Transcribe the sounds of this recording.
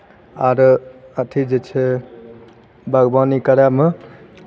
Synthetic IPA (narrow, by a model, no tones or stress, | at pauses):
aɾət̪ʰid͡ʒet͡ʃʰe | bʱəɡbanikəɾjame